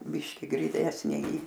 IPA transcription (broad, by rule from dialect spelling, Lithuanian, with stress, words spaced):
ˈbʲɪʃʲkʲɪ ɡrʲɪˈnʲæːsʲnʲeː iː